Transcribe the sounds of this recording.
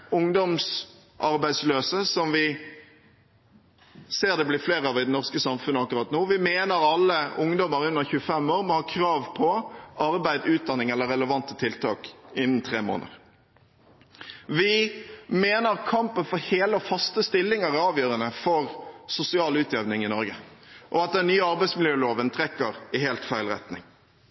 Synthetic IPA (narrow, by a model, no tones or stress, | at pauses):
ʊŋd̪ɔms | ʔɑɾbæɪd̪sløːsəsɔmʋɪ | seːʁd̪ɛblɪfleːʁəɑʋɪd̪ɛnɔʁskəsɑmfʉnəɑkːɾʁɑːt̪noːʋɪmeːnəɾɑlːəʊŋd̪ɔməɾʉnːəʁçʉːəfɛmoːɾmɔhɑːkʰɾɑːʋpʰɔɑɾbæɪd̪ʉːt̪̚d̪ɑnːɪŋɛlːəɾɛləʋɑnt̪ət̪ʰɪlt̪ʰɑ̰ːkɪnːənt̪ʰʁeːmo̰ːnə̰ʁ | ʋɪmeːnəʁkʰɑmpənfɔɾheːləɔfɑst̪əst̪ɪlːɪŋəʁæɾɑːʋjøːɾənəfɔʁsʊsɪɑːlʉːt̪ʰjɛʋnɪŋɪnɔɾɡə | ʔɔɑt̪̚d̪ɛnnːyːəɑɾbæɪsmɪljøːloːʋənt̪ʰʁɛkːəɾɪɦeːlt̪fæɪlʁɛ̰t̪nɪ̰ŋ